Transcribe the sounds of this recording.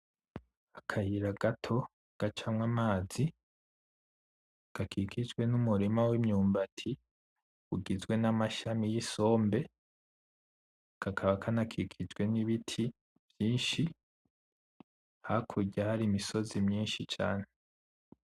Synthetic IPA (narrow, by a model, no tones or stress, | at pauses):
akʰahiɾaɡatʰo̞ | ɡ̥at͡ʃamŋamaːzi | ɡ̥akʰikʰid͡ʒɡwe̞numuɾimawimɲuːmbatʰi | uɡizwe̞namaʃamijiso̞ːmbe̞ | ɡ̥akʰaβakʰanakʰikʰid͡ʒɡwe̞niβitʰi | v̥jiːnʃi | hakʰuɟahaɾiːmiso̞zimɲiːnʃit͡ʃa̰ːne